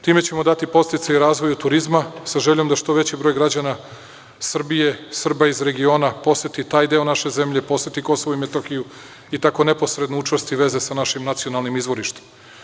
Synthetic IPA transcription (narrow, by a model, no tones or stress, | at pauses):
t̪iːme̞t͡ɕe̞mo̞d̪at̪ipo̞st̪it̪saiɾaːzʋo̞jut̪uɾizmasaʒe̞ʎo̞md̪aʃt̪o̞ʋe̞t͡ɕibɾo̞jɡɾad͡ʑana | sr̩bije̞sr̩baizɾe̞ɡio̞ːnapo̞sjet̪it̪aːjd̪e̞o̞naʃe̞ze̞mʎe̞po̞sjet̪iko̞so̞ʋoimet̪oxiju | it̪ako̞ne̞po̞sɾe̞d̪nout͡ʂast̪iʋe̞ze̞sanaʃimnat̪sijo̞nalˠnimizʋo̞ɾiʃt̪e̥maa